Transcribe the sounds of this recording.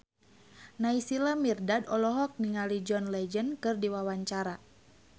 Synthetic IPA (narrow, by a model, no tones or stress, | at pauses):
naisilamirdadɔlɔɦɔk̚niŋalid͡ʒɔnlɛd͡ʒənkɨrdiwawaɲt͡ʃaɾa